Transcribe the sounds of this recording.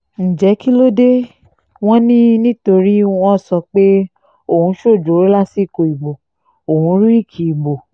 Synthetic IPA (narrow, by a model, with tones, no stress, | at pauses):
n̩˨d͡ʒɛ˨˦ki˦lo˦de˦ | w̃ɔ̃˦nĩ˦nĩ˦to˧ɾi˦w̃ɔ̃˦˨sɔ˧k͡pe˦ | o˦˨hũ˧˦ʃo˦˨d͡ʒo˨˦ɾe˦la˦si˦˨ko˨i˨ɡ͡bo˨ | o˨hũ˨˦ɾi˦i˦˨kʰi˨i˨ɡ͡bo˨